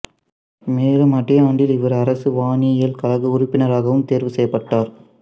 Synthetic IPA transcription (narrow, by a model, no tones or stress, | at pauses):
meːlɯmɐʈːɪjaːɳɖɪlɪʋɐɾɐɾɐsɯʋaːnɪjɐjɪlkɐlɐɣɯʊɾʊpːɪnɐɾaːɣɐʋɯmt̪eːɾʋɯsɛjːɐpːɐʈːaːɾ